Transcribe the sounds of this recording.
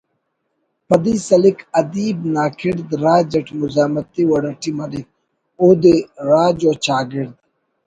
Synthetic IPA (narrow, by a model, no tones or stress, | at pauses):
pɐd̪iːsɐlikʰɐd̪iːbnaːkʰɪɽd̪ɾaːd͡ʒɐʈʰmʊzaːmɐt̪ːiwɐɽɐʈimɐɾik̚ | oːd̪eːɾaːd͡ʒoːt͡ʃaːɡɪɾd̪̚